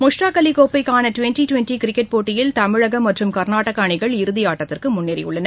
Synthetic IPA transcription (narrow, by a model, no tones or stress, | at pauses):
mʊʂʈaːkɐlɪkoːpːɐɪkːaːnɐʈʋɛnʈiʈʊʋɛnʈikɪɾɪkːɛʈ̚poːʈːɪjɪlt̪ɐmɪɻɐɣɐmːɐʈrɯmkɐɾnaːʈːɐkːaːɳɪɣɐɭɪɾɯðɪjaːʈːɐt̪ːɪrkɯmʊnːɪɾɪ̰jʊ̰ɭːɐnɐ